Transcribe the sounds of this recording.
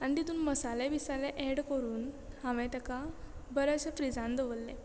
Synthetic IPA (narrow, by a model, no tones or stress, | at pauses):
añit̪it̪uːnməsalebisaleʔeɽkəɾuːnhãʋɛ̃t̪ɛkabəɾəɕəfɾid͡zãnd̪əʋəlːẽ